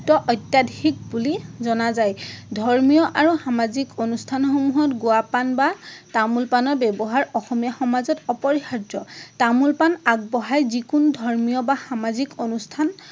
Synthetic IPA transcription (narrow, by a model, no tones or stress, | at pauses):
tɔʔɔjtːadʱik̚bulizɔnazajdʱɔɹmijɔʔaɹuxamazikonustʰanxomuɦɔtɡʊapanbatamulpanɔɹbɛbɔɦaɹɔxɔmijaxɔmazɔtɔpɔɹihadɔtamulpanaɡ̚bɔɦajzikundʱɔɹmijɔbaxamazikonustʰan